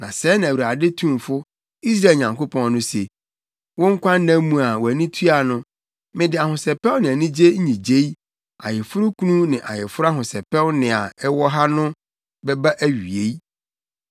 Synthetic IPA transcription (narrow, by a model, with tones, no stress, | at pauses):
nã˨sɛː˦ñ˨æ˨wu˨ɾa˨de˦tʰũ˦˨mfʊ˦ | i˦s̬ɾa˦˨ɲã˨ŋko˦pʰɔ̃˨˦ŋnʊ̃˦se˨ | wʊ̃˦ŋ̩˦kʷʰã˦nːã˦mũ˨a˨wɔ˨æ˨nĩ˦tʰu˦a˨nʊ̃˦ | mɪ̃˦dɪ˨a˨ɦʊ̃˨sɛ˨pɛ˦wnɪ̃˨æ˨nĩ˦d͡ʑe˦ɲĩ˨d͡ʑe˦i˦ | a̰˨jɪ˨fʊ˦ɾʊ˦kʰu˦nũ˦nɪ̃˨ʔa̰˨jɪ˨fʊ˦ɾa˦ɦʊ̃˨sɛ˨pɛ˦wnɪ̃˨a˨ɛ˦wɔ˦ɦa˦nʊ̃˦ | bɛ˦ba˦ʔæ˦ɥi˨e˨˦i˦